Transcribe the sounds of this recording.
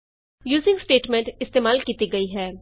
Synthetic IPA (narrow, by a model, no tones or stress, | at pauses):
juːzɪ̃ŋɡsʈeːʈmɛ̃ːɳʈɪst̪eːmaːlkiːt̪iɡɐiɦɛː